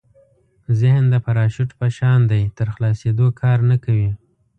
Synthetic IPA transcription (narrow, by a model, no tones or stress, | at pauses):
zɪhnd̪əpaɾɑʃʊʈpaʃɑnd̪ajt̪əɾxlɑsed̪okʰɑɾnakawi